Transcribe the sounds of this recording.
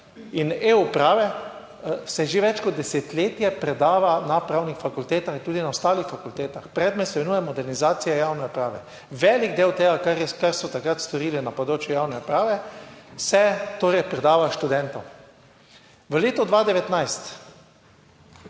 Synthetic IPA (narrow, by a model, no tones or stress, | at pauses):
ineupɾaːʋɛ | sɛʒeʋɛt͡ʃkɔd̪̚ːɛset̪leːt̪jɛpɾɛd̪aːʋanapɾawnixfakult̪eːt̪axint̪uːd̪inaʊst̪aːlixfakult̪eːt̪axpɾɛd̪mɛsmɛnuːjɛmɔd̪ɛɾnizaːt̪sijajawnɛɔpɾaːʋɛ̰ | ʋɛːliɡd̪eːwt̪eːɡakaɾjɛkaɾsɔt̪akɾat̪st̪ɔɾiːlinapɔd̪ɾoːt͡ʃjujawnɛɔpɾaːʋɛsɛt̪oːɾɛjpɾɛd̪aːʋaʃt̪ud̪ɛnt̪ɔw | ʋəleːt̪ɔd̪ʋaːd̪ɛʋɛt̪najst̪